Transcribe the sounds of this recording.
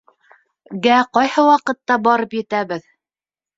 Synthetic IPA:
ɡæqɑjhɤwɑqɤ̆t̪ːɑbɑɾɤpjɘ̆t̪æβɘð

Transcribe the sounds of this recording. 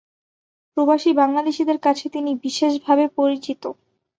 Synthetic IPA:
pɾobaʃibaŋlad̪eʃid̪eɾkat͡ɕʰet̪inibiʃeʃbʱabepoɾit͡ɕit̪o

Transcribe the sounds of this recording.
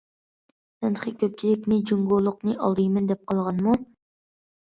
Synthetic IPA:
sɨnəχʰəkʲʰøp̚t͡ʃʰilɪkʲnɪd͡ʒuŋɡolˠːʊqnɨʔɑlˠd̪ɨjmɪnd̪ɛp̚qɑlˠʁɑnmu

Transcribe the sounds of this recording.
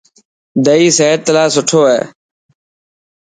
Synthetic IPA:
d̪əiːseːəɾ̚t̪əlaːsʊʈʰoːɦɛ̰ː

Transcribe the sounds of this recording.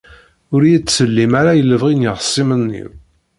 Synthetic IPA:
ʊɾjit͡sːsəlːimaɾajəlːəvʁinjəʁəsˤːimənːḭw

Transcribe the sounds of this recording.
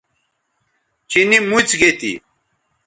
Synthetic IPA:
t͡ɕinimut͡sɡet̪ḭ

